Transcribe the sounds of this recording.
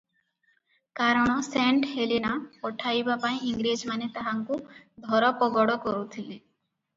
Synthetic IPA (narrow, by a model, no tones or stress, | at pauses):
kaɾɔɽ̃ɔseɳʈhelinapɔʈʰajbapaĩiŋɡɾed͡ʒmanet̪aɦaŋkud̪ʱɔɾɔpɔɡɔɽɔkɔɾut̪ʰili